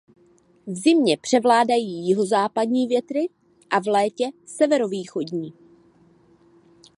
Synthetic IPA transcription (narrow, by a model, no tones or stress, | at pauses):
vzɪmɲɛpr̝̥ɛvlaːdajiːjɪɦo̞zaːpadɲiːvjɛt̪ɾɪ | ʔavlɛːcɛsɛvɛɾo̞viːxo̞dɲiː